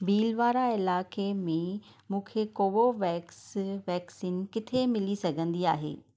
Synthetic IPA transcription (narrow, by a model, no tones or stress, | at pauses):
biːlʋaːɾaɪlaːkemẽ | mũːkʰekoːʋoʋɛːksʋɛːksiːnkɪt̪ʰemɪlisɐɡʱə̃nd̪ia̰ːɦḛː